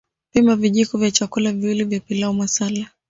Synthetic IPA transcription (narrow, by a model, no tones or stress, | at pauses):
pimaviʄikɔvjat͡ʃakulaviwilivjapilaɔmwasala